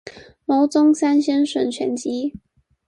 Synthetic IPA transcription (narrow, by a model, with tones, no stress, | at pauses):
mo˧˥ʊt͡sʊ˥ŋsa˥nɕɛ˥nʂwə˨˩nt͡ɕʰɥɛ˧˥nt͡ɕi˥